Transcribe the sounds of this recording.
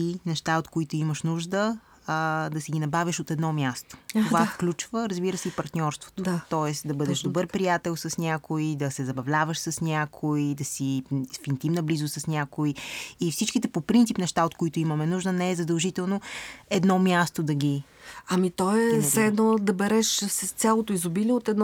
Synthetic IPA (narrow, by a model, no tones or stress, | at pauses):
inɛʃt̪aot̪koit̪oiməʃnuʒd̪ə | d̪ɐsɛɡinɐbavʲiʃot̪ɛd̪nɔmjast̪o̥t̪ovafklʲut͡ʃvəɾəzbiɾəsɛipɐɾt̪nʲɔɾst̪vo̥t̪o̥at̪ɔɛsd̪ɐbɤd̪ɛʃd̪obɤɾpɾijat̪ɛlˠsəsnʲakoid̪ɐsɛzɐbɐvlʲavəʃsəsnʲakʰoid̪ɐsifint̪imnɐblizʊsɐsnʲakoiifsit͡ʃkit̪ɛpopɾint̪sipnɛʃt̪aot̪koit̪oimɐmɛnuʒnənɛɛzɐd̪ɐlˠʒit̪ɛlˠnoɛd̪nɔmʲjast̪od̪ɐɡʲi | ɐmit̪ɔɛzɛd̪nod̪ɐbɛɾɛʃsəst̪sʲalˠot̪oizobiliɛot̪ɛd̪n